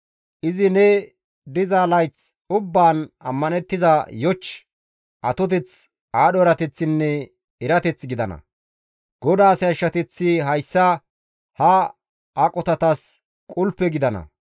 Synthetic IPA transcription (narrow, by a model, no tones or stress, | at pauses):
ʔɪzɪnɛ | d̪ɪzalɐjt͡s | ʊbːaːnɐ̰mːɐnɛt̪ːɪzɐjɔt͡ʃː | ʔɐt̪ɔt̪ɛt͡s | aːɗɔɛɾɐt̪ɛt͡sːɪnːɛ | ɪɾɐt̪ɛt͡sɡɪd̪ɐnɐ̰ | ɡ̥ɔd̪aːsɛjɐʃːɐt̪ɛt͡sːɪɦɐjsːɐ | hɐ | ʔakʼɔt̪ɐt̪ɐs | kʼʊlpːɛɡɪd̪ɐnɐ̰